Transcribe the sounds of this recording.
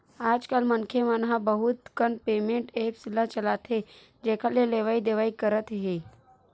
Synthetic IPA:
aːd͡ʒkəlmənkʰemənɦabəɦʊt̪kənpeːmẽɳʈeːpsɪlːat͡ʃəlaːt̪ɦe | d͡ʒɛːkʰaleleːʋaːid̪eːʋaːikəɾət̪ɦeː

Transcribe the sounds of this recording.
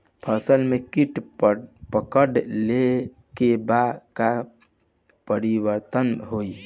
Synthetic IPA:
pʰəsəlmekiʈ | pəkəɖle | kebaka | pəɾibəɾt̪ənɦoj

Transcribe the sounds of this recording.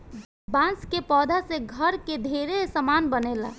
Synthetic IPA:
bãnskepɔd̪ʱasẽɡʱəɾked̪ʱeɾesəmanbənela̰

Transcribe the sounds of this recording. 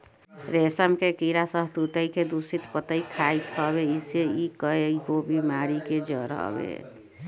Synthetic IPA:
ɾesəmkekiɾasəɦt̪ut̪əiked̪usit̪pət̪əikʰait̪ɦəbeiseikəekobʱimaɾiked͡ʒə̰ɾə̰ɦbḛ

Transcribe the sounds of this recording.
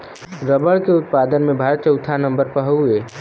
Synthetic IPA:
ɾəbəɭkeʊt̪̚pad̪ənmẽbʱaːɾət̪t͡ʃəʊt̪ʰanə̃mbəɾpəɦəe

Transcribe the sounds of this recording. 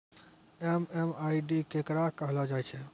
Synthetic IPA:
ememajɖikekɾakəɦlɔd͡ʒajt͡ʃʰɛ

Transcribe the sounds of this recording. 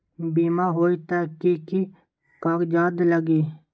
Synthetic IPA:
biːmaːɦoːit̪aːkiki | kaːkd͡ʒaːd̪ləɡiː

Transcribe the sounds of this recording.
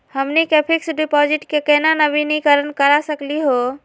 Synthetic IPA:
həmnikepʰiksɖipɔd͡ʒiʈkekənanəbʱinikəɾənkəɾasəkliɦo

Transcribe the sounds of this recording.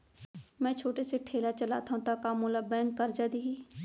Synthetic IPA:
mɛ̃ːt͡ʃʰoːʈeseʈʰeːlat͡ʃəla̰ːt̪ʰaũt̪aːkaːmũlabɛ̃ːŋkːəɾd͡ʒaːd̪iːɦiː

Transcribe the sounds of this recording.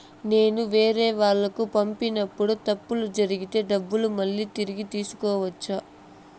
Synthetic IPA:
ne̞ːnuʋe̞ːɾɛːʋaːɭːɐkupɐmpinɐpːuɽut̪ɐpːulud͡ʒɐɾiɡit̪e̞ːɖɐbːulumɐɭːiːt̪iɾiɡit̪iːsu̥kɔːʋɐt͡ʃːaː

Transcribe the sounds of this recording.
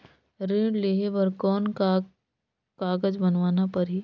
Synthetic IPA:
ɾẽːɖleːɦeʋəɾkɔːnka | kaːɡəd͡ʒbɐnʋaːnapɐɾɦiː

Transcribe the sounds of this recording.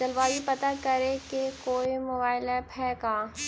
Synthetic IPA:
d͡ʒɐlʋaːlipɐt̪akɐɾẽkekoːimobaːɪlɛpʰɛːkaː

